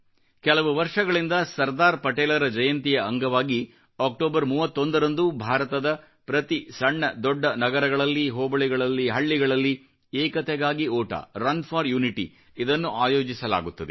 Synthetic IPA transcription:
kɛlɐʋuʋɐɾʂɐɡɐɭind̪ɐsɐɾd̪aːɾpɐʈeːlɐɾɐd͡ʒɐjɐnt̪ijɐːŋɡɐʋaːɡi | aːk̚ʈoːbɐɾmuːʋɐt̪ːo̞nd̪ɐɾɐnd̪ubʱaːɾɐt̪ɐd̪ɐ | pɾɐt̪isɐɳːɐd̪ɔɖːɐnɐɡɐɾɐɡɐɭɐlːiɦɔːbɐɭɛɡɐɭɐlːiɦɐɭːiɡɐɭɐlːi | ɛːkɐt̪ɛɡaːɡiɔːʈɐ̰ɾɐnfʰaːɾjuːniʈḭ | id̪ɐnːuʔaːjoːd͡ʒisɐla̰ːɡut̪ːɐd̪e

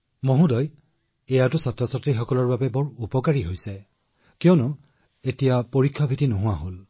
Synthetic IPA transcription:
moɦũdɔj | ejatʊsatɹɔsatɹixɔkɔlɔɹbabɛbɔɹupɔkaɹiɦojsɛ | kijɔnʊ | etijapoɹikʰːabʱitinoɦʊwaɦol

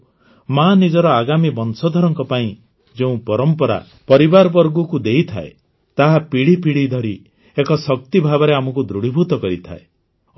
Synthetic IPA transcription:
manid͡ʒɔɾɔaɡamibɔnsɔd̪ʱɔɾɔŋkɔpaĩ | d͡ʒeũpɔɾɔmpɔɾa̰ | pɔɾibaɾɔbɔɾɡukud̪ejt̪ʰa̰ḛ | t̪aɦapiɽipiɽid̪ʱɔɾi | ekɔsɔk̚t̪ibʱabɔɾeamɔkud̪ɾuɽ̤ibʱut̪ɔkɔɾit̪ʰa̰e

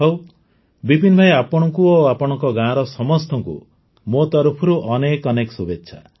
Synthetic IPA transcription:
ɦow | bibinbʱajapɔɽ̃ɔŋkuoapɔɽ̃ɔŋkɔɡãɾɔsɔmɔst̪ɔŋkṵ | mot̪ɔɾupʰɔɾuʔɔnekɔnekɔsubetːʃʰa̰

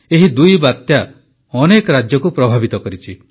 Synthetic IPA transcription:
eɦid̪ujbat̪ja | ɔnekɔɾad͡ʒjɔkupɾɔbʱabit̪ɔkɔɾit͡ʃʰi

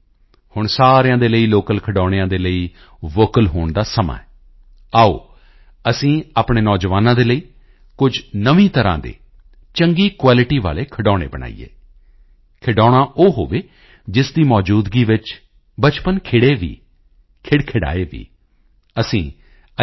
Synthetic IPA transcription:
hʊɳsaːɾjãːd̪eːləiːloːkəlkʰəɖɔːɽ̃eãːd̪eːləiː | ʋoːkəlɦoːɳd̪aːsəma̰ːɛː | aːo̰ː | əsĩːaːpɳeːnɔːd͡ʒʋaːnãːd̪eːləiː | kʊd͡ʒnəʋĩːt̪əɾã̰ːd̪ḛː | t͡ʃəŋɡiːkwaːlɪʈiːʋa̰ːleːkʰəɖɔːɽ̃ḛːbəɳa̰ːḭjḛː | kʰɪɖɔːɽ̃ãːʔoːɦoːʋeː | d͡ʒɪsd̪iːmɔːd͡ʒuːd̪ɡiːʋɪt͡ʃ | bət͡ʃpənkʰɪɽeːʋḭː | kʰɪɽkʰɪɽa̰ːeːʋḭː | əsĩː | ə

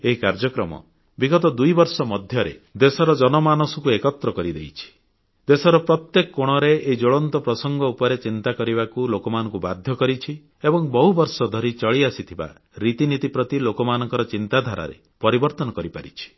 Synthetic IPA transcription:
eɦikaɾd͡ʒɔkɾɔmɔ̰ | biɡɔt̪ɔd̪ujbɔɾsɔmɔd̪ʱjɔɾḛd̪esɔɾɔd͡ʒɔnɔmanɔsɔkuekɔt̪ɾɔkɔɾid̪ejt͡ʃʰi̥ | d̪esɔɾɔpɾɔt̪jekɔkoɽ̃ɔɾeeɦid͡ʒoɭɔnt̪ɔpɾɔsɔŋɡɔupɔɾet͡ʃint̪akɔɾiβakulokɔmanɔ̃ŋkubad̪ʱjɔkɔɾit͡ʃʰi | ebɔŋbɔɦubɔɾsɔd̪ʱɔɾit͡ʃɔɭiasit̪ʰiba̰ | ɾit̪init̪ipɾɔt̪ilokɔmanɔŋkɔɾɔt͡ʃint̪ad̪ʱaɾa̰ɾḛ | pɔɾibɔɾt̪ɔnɔkɔɾipaɾḭt͡ʃʰi̥

